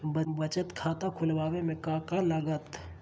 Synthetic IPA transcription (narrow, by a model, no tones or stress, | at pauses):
bəbɐt͡ʃət̪kʰaːt̪akʰʊlʋaːʋemẽkãːkaləɡət̪